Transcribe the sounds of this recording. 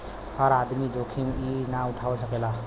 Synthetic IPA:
həɾad̪mid͡ʒokʰiminauʈʰawɔsəkela

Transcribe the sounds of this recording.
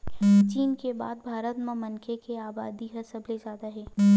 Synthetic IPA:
t͡ʃiːnkeba̰ːd̪̚bʱaːɾət̪mẽmɐnkʰekeaːbaːd̪iɦɐsəblezaːd̪aɦɛː

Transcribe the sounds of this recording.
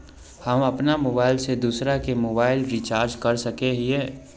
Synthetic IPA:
hɐmɐpnamoːbaːɪlsed̪uːsɾakemoːbaːɪlɾit͡ʃaːɾd͡ʒkɐɾsɐkeɦiɦɛː

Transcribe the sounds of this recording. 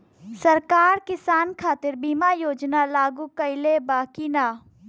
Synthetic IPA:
sɐɾkaːɾkɪsaːnkʰaːt̪ɪɾbiːmajoːd͡ʒnalaːɡuːkɐɪlebaːkinaː

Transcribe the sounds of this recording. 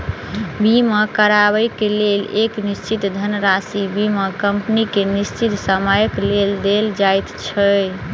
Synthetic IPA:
bimekəɾaβəjkeleleknist͡ʃit̪d̪ʱənɾasibimekəmpnikenist͡ʃit̪səməjəkleld̪eld͡ʒajt̪t͡ʃʰəj

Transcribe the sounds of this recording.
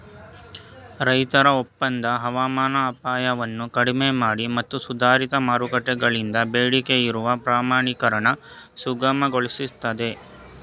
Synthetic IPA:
ɾɐjt̪ɐɾɐopːɐnd̪ɐɦɐʋaːmaːnɐːpaːjɐʋɐnːukɐɽimemaːɽimɐt̪ːusud̪ʱaːɾit̪ɐmaːɾukɐʈːɛɡɐɭind̪ɐbeːɽikeiɾuʋɐpɾaːmaːɳikɐɾɐɳɐ | suɡɐmɐɡoɭisit̪ɐd̪e̞

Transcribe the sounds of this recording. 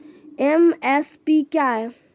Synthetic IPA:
emɛspikjaj

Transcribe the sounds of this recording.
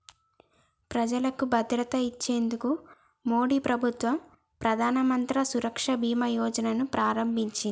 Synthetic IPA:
pɾɐd͡ʒɐlɐkubɐd̪ɾɐt̪ɐit͡ʃːe̞ːnd̪uku | mo̞ːɽiːpɾɐbʱut̪ʋɐm | pɾɐd̪ʱaːnɐmɐnt̪ɾɐsuɾɐkʂɐbʱiːmɐjɔːd͡ʒɐnɐnupɾaːɾɐmbʱiɲt͡ʃini

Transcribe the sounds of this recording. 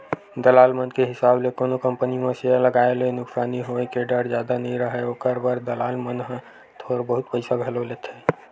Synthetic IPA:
d̪əlaːlmənkeɦɪsaːblekoːnokə̃mpənimẽsealəɡaːelẽnʊksaːniɦoekeɖəɾd͡ʒjaːd̪anəɦĩɾəɦɛokəɾbəɾd̪əlaːlmənɦə̃ | t̪ʰoːɾbəɦʊt̪pəɪsaɡʱəloleːt̪ʰe

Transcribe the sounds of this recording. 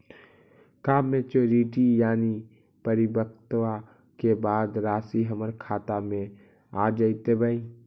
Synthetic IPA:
kaːmːẽt͡ʃoːɾiʈijaːni | pəɾɪbək̚ʰt̪wa | kebaːd̪ɾaːsiɦəməɾkʰaːt̪amẽ | aːd͡ʒəit̪ebəĩ

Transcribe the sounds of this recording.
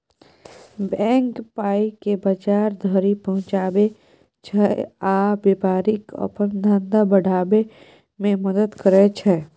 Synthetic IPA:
bɛ̃ːŋkpaːikebət͡ʃaːɾd̪ʱəɾipəɦʊ̃t͡ʃaːbe | t͡ʃʰɛaːbepaːɾɪkɔ̰pənd̪ʱãːnd̪abəɽ̤ʱaːbe | mẽməd̪əd̪kəɾet͡ʃʰɛ

